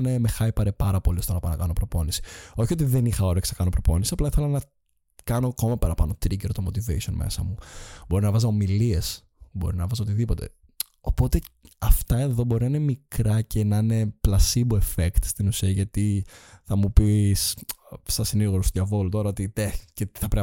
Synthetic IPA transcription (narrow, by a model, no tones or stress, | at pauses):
nemexɐipɐɾepɐɾɐpoliost̪onɐpɐnɐkɐno̞pɾo̞po̞nisi̥o̞çio̞t̪̬iðe̞nixɐo̞ɾeɐksɐkɐno̞pɾopo̞nisiɐplɐi̥θelɐnɐ | kɐnoko̞mɐpɐɾɐpɐno̞t̪ɾiceɾot̪omot̪ivḛisio̞nmḛsɐ̰mubo̞ɾinɐvɐzɐomilie̞s | bo̞ɾinɐvɐzo̞t̪iðipo̞t̪e̞̰ | opo̞t̪e̞ɐft̪ɐe̞ðo̞bo̞ɾinɐinemikɾɐcenɐine̞plɐsibue̞fekt̪st̪inusiɐʝɐt̪iθɐmupissɐsiniɣoɾost̪oðʝɐvo̞lut̪o̞ɾɐo̞t̪it̪ecet̪iθɐpɾe